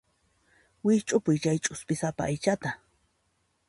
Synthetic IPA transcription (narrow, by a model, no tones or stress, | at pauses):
wɪt͡ʃʼʊpʊjt͡ʃajt͡ʃʼʊspɪsapa̰ːjt͡ʃat̪a